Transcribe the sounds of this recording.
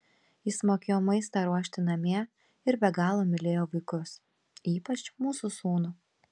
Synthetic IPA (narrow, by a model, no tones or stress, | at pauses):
jɪsmoːkʲeːjoːmɐɪst̪ɑɾuɔʃʲt̪ʲɪnɐmʲiɛ | ɪɾbʲɛɡɑːlˠoːmʲɪlʲeːjoːʋɐɪkʊs | iːpɐt͡ʃmuːsusuːnʊ